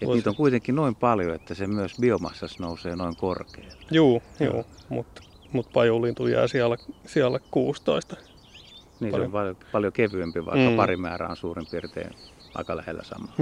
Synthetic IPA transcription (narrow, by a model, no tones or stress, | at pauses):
et̪niːt̪oŋkuit̪eŋkːinoimpɑljoet̪ːæsemyøsbiomɑ̰sːɑsnouseːnoiŋkorkeːlːjuːjṵːmṵt̪ | mut̪pɑjulint̪ujæ̰ːsiælæsiælːækkuːst̪oist̪ɑ | niːsseompɑljopɑljokeʋyømpiʋɑ̰ikːɑpɑrimæ̰ːræ̰ːonsuːrimpiːrt̪ḛːn | ɑ̰ikɑlæhḛlːæ̰sɑ̰mɑː